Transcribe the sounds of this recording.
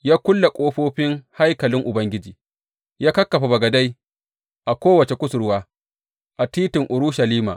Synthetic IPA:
jaː˦kʷʊ˦lːa˨kʷʼoː˦ɸoː˦ɸɪ˦ŋha˦jkɐ˨lɪ˦ŋʔʊ˨bɐ˦ŋɡʲɪ˦d͡ʒiː˨ | jaː˦kɐ˦kːɐ˨ɸa˨bɐ˨ɡɐ˨da˦j | ʔa˨kʷoː˦wɐ˨t͡ʃe˨kʷʊ˦sʊ˨ɾwaː˦ | ʔa˨tiː˦tɪ˨ŋʔʊ˨ɾʊ˦ʃɐ˨liː˦ma̰ː˨ʔ

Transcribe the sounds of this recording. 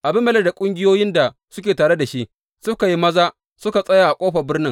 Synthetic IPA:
ʔa˨bɪ˦mːɛ˦lɐ˦˨da˨kʷʼʊ˦ŋɡʲɪ˦joː˦jɪ˦nda˨ | sʊ˦kʲeː˨taː˨ɽe˦da˨ʃi˦ʔ | sʊ˦ka˨ji˦mɐ˦zaː˦ | sʊ˦ka˨sʼɐ˦jaː˨ʔa˨kʷʼoː˦ɸɐ˨bɪ˦rnɪ˦ŋ

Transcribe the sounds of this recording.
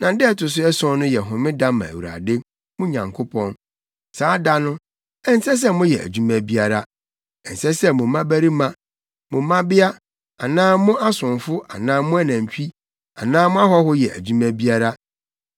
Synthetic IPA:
nã˨˦dɪ˦ɛ˦tʰʊ˨s̬ʊ˦ɛ˦sʊ̃˦nʊ̃˦jɛ˨ɦʊ̃˨mɪ̃˦dã˦mã̰˨æ̰˨wu˨a̰˨de˦ | mʊ̃˦ɲã˨ŋkʰʊ˦pʰɔ̃˦n | saː˨˦da˦nʊ̃˦ | ɛ˦n˦sɛ˦s̬ɛ˦mʊ̃˦jɛ˨ʔæ̰˨d͡ʑu˦mæ̃˨bi˦a˨ɾa˦ | ɛ˨n̩˨sɛ˦sɛ˦mʊ̃˨mã˦bæ˦ɾi˦mã˦ | mʊ̃˨mã˦bɪ˦a˦ | a˨nãː˦mʊ̃˦ʔa˦sʊ̃˨nfʊ˦ʔa˨nãː˦mʊ̃˦æ˦nã˨m˨t͡ɕᶣi˦ | a˨nãː˦mʊ̃˦a˦ɦɔ˦hʊ˦jɛ̰˨ʔæ̰˨d͡ʑu˦mæ̃˦bi˦a˦ɾa˦

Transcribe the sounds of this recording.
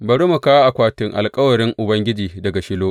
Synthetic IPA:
bɐ˨ɽu˦mu˨ka˦a˦ʔa˨kʷaː˨tɪ˨ŋʔa̰˨lkʼɐ˦wɐ˨ɾɪ˦ŋʔʊ˨bɐ˦ŋɡʲɪ˦d͡ʒiː˨dɐ˨ɡa˨ʃɪ˦loː˦ʔ

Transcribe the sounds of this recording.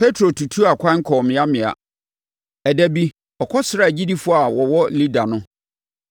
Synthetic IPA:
pʰe˦tʰɾo˨tʰu˨tʰu˦a˨kʷʰã˦ŋ̩˦kʰɔ˨mɪ̃˨˦a˦mɪ̃˨a̰˨ | ɛ˨dæ˦bi˦ | ɔ˨kʰɔ˦sɪ˨ɾa˨d͡ʑi˦di˦fʊ˦a˨wɔ˨wɔ˦li˦da˨nʊ̃˦

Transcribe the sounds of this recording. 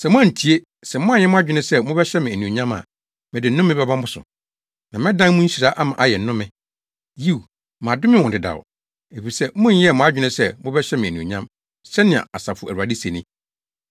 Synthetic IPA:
sɛ˨mʊ̃˦ã˦˨n̩˨tʰi˨e˦ | sɛ˨mʊ̃˦ã˦jɛ˦mʊ̃˦a˦d͡ʑᶣɪ˨nʊ̃˦sɛ˦mʊ̃˦bɛ˦ɕɛ˦mɪ̃˨æ˨nĩ˨ɲã˦ma̰˨ | mɪ̃˨dɪ˨n̩˦nʊ̃˦mːɪ̃˦bɛ˦bã˦m̩˦ʊ˦sʊ̰˨ | nã˨mɪ̃˦dã˦n˦mũ˦si˨ɾa˨˦ʔa˦mã˨ʔa˨jɛ˨n̩˨nʊ̃˦mɪ̃˨ | ji˦˨w | mã˨dʊ˦mɪ̃˦wɔ̃˨dɪ˨da̰˨w̰ | e˨fi˨sɛ˦mʊ̃˦n˦jɛ˦˨mʊ̃˦a˦d͡ʑᶣɪ˦nɪ̃˦sɛ˦mʊ̃˦bɛ˦ɕɛ˦mɪ̃˨æ˨nĩ˨ɲã˦m | sɛ˦nɪ̃˨a̰˨a˨sa˨fʊ˨ʔæ̰˨wa˨di˦se˨nɪ̃˦

